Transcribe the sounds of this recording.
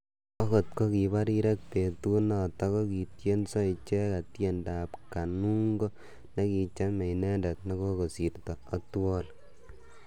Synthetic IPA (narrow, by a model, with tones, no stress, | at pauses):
ɔ˦kɔ˨t̚ko˦ki˨ba˦ɾi˦ɾɛ˦k̚pe˨tu˦na˨tɔ˦kɔ˦ki˨tje˦nsɔ˦it͡ʃɛ˦ka˨tje˦nda˨p̚ka˨nu˦ŋɡo˦ | ne˦ki˧t͡ʃa˦mɛ˨inɛ˦nda˨t̚nɔ˦ko˦ko˨si˨rtɔ˨a˨twɔ˦l